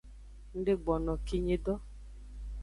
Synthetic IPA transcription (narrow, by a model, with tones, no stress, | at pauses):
n̩˦ɖe˦ɡ͡bɔ˨nɔ˨ki˦ɲe˧dɔ˦